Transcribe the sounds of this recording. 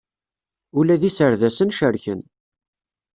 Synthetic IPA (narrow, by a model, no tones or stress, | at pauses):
ulæðisəɾðæsənʃəɾçə̰n